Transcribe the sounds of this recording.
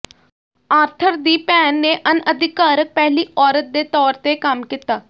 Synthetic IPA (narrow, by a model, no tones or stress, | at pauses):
aːɾt̪ʰəɾd̪iːpɛːnːeːʔənəd̪ɪkaːɾək̚pɛːɦliːʔɔːɾət̪̚d̪eːt̪ɔːɾt̪eːkəmkɪt̪aː